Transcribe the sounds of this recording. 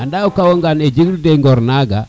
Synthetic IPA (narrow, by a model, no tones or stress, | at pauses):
andaɔkawoŋɡaned͡ʒiɡudeŋɡɔɾnaɡa̰